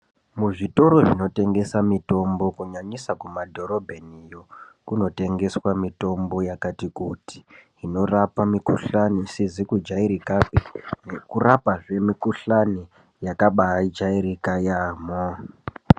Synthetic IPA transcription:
muʐito̞ɾo̞ʐino̞te̞ŋɡe̞samito̞mbo̞kuɲaɲisakumadʱo̞ɾo̞bʱenijo̞kuno̞te̞ŋɡe̞swamito̞mbo̞jakatikuti̥ɦino̞rapamikuɬanisizikud͡ʒaiɾikapinekurapaʐe̞mikuɬani | jakaɓaad͡ʒaiɾikajaːmo

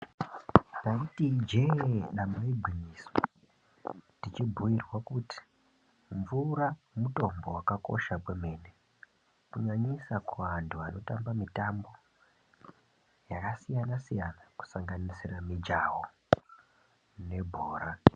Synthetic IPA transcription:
nautid͡ʒeɗamaiɡʱwiɲiswa | tit͡ʃibʱujirwakuti̥ | ɱvuɾamuto̞mbo̞wakako̞̰ʃakweme̞ːne | kuɲaɲisakuwantʰuano̞tambamitambo̞ | jakasijanasijanaku̥saŋɡanisiramid͡ʒawo | ne̞bʱoːɾa

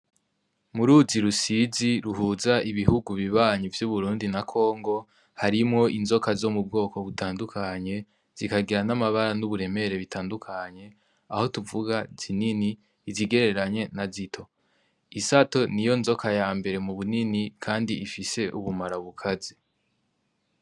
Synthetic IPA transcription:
muɾuziɾusiziɾuɦuːzaʔiβiɦuɡuβiβaːɲivjuβuɾuːndinakʰo̞ːŋɡo̞ | haɾimŋo̞ʔinzo̞kazo̞mub̚ɡo̞ːko̞βutaːndukʰaɲe̞ | z̥ikaɡiɾanamaβaɾanuβuɾe̞me̞ɾe̞βitʰaːndukʰaɲe̞ | aho̞tuvuɡaz̥inini | ziɡe̞ɾe̞ɾaɲe̞nazitʰo̞ | isato̞nijo̞nzo̞kajaːmbe̞ɾe̞muβuninikʰaːndiʔifise̞ʔuβumaɾaβukʰazi

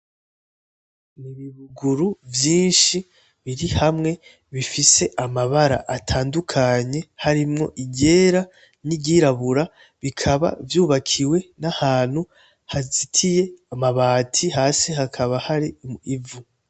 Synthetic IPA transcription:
niβiβuɡuɾuvjiːnʃi | βiɾihamŋe̞ | βifise̞ʔamaβaɾa̰ʔatʰaːndukʰaɲe̞haɾimŋo̞̰ʔiɟe̞ːɾa | niɟiɾaβuɾa | βikʰaβa̰vjuːβakʰiwe̞nahaːn̥hu | hazitʰije̞amaβaːtʰihaːsihakʰaβahaɾiivu

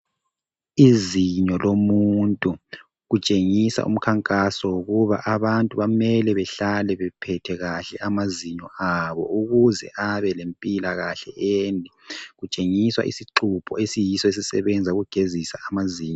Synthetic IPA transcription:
iziɲɔlomuntʼu | ɣut͡ʃʼeŋisa̰ʔṵm̩kʰaŋkʼasɔwuɣuβa̰ʔaβantʼuβamɛlɛβɛɬalɛβɛpʰɛtʰɛɣaɬɛʔamaziɲɔaβɔ̰uɣuzɛ̰ʔaβɛlempʼilaɣaɬɛendʱiɣut͡ʃʼeŋiswa̰ʔḭsiǃupʰɔ̰esijisɔes̬isɛβɛnd͡zʱauɣuɡ̥ʱezisaːmaziːɲɔ

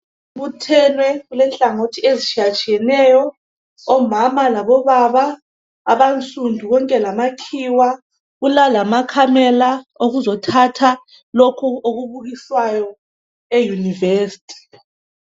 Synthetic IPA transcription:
βutʰɛnwɛɣulɛnt͡ɬʼaŋotʰiezit͡ʃʰiat͡ʃʼiɛnɛjɔ | ɔmamalaβɔβaβa | a̰βant͡sʼundʱuɣɔŋkʼɛlamakʰiwa | ɣulalamakʰamɛlaoɣuzɔtʰatʰa | lɔkʰuoɣuβuɣiswajɔ | ejunivesi̥tʰʼi̥

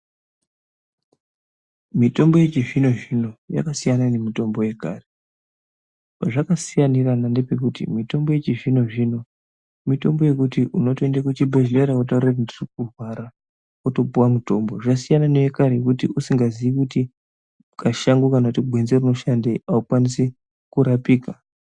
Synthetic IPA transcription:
mito̞mboje̞t͡ʃiʐino̞ʐino̞ja̰kasijananemito̞mbo̞je̞ka̰ːre | paʐakasijaniranande̞pe̞k̬utḭmito̞mbo̞je̞t͡ʃiʐino̞ʐino̞ | mito̞mbo̞je̞kutiʔuno̞toendakutibeʐleɾaot̬aurakndirikurwaɾa | oto̞puwamuto̞mbo̞ʐasijananojekaɾekutiusiŋɡaziikuti | kaʃaŋɡukanautiɡʱwe̞nzeruno̞ʃandeaukwanise | kuɾapiːka

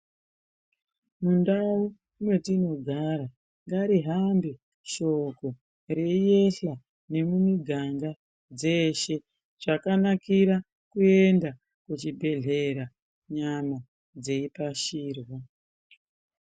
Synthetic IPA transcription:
mundau | umwe̞tino̞ɡʱaɾa | ŋɡaɾiɦambe | ʃo̞ko̞ | re̞ije̞ɬa | ne̞mumiɡʱaŋɡa | d͡ze̞ʃe̞ | ʐ̥akanakiɾa | kue̞nda | kut͡ʃibʱe̞ɮe̞ɾa | ɲama | d͡ze̞ipaʃiːrwa

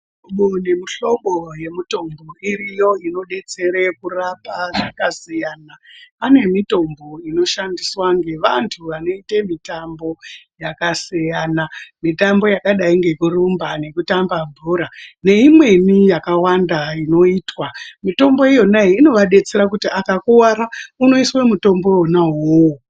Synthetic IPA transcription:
uɓone̞miɬo̞ɓo̞je̞mito̞mbo̞irijo̞ino̞ɗe̞t͡se̞ɾekurapaʐakasijaːnaane̞mito̞mbo̞ino̞ʃandiswaŋɡe̞ʋantʰuʋano̞itemitambo̞jakasijaːnamitambo̞jakaɗaiŋɡe̞kurumbane̞kutambaɱvʱuɾane̞imwe̞nijakawandaino̞iːtwamito̞mbo̞ijo̞naiːno̞ʋaɗe̞t͡se̞rak̬utiakakuwaɾauno̞iswemuto̞mbo̞onaɦoo

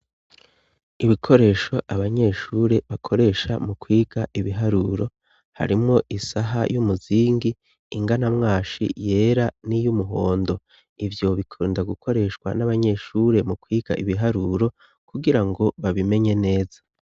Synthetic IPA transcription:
iβikʰo̞ɾe̞ːʃo̞ʔaβaɲe̞ːʃuɾe̞βakʰo̞ɾe̞ʃa̰mukwiːɡaʔiβiɦaɾuɾo̞ | ha̰ɾimŋo̞ʔisaɦa̰jumuziːŋɡiː | ŋɡanamŋaːʃḭje̞ːɾanijumuɦo̞ːndo̞ | ivjo̞βikʰuːndaɡukʰo̞ɾe̞ʃkwa̰naβaɲe̞ʃuɾe̞mukwiːɡ̥a̰ʔiβiɦaɾuɾo̞ | kuɡiɾaŋɡo̞βaβime̞ɲe̞ne̞ːzḁ

